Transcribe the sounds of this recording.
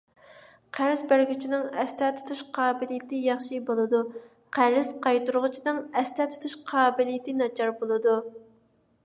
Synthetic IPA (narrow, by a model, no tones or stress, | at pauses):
qʰæɾɪzbæɾɡʲyt͡ʃʰinɪŋɛst̪ʰɛt̪ʰu̥t̪ʰuʃqʰɑːbɪlijɪt̪ʰɪjɑχʃibolˠɨd̪u | qʰæɾɪzqʰɑjt̪uɾʁʊt͡ʃʰinɨŋɛst̪ʰɛt̪ʰu̥t̪ʰuʃqʰɑːbɪlijɪt̪ɪnɑt͡ʃʰɑɾbolˠɨd̪u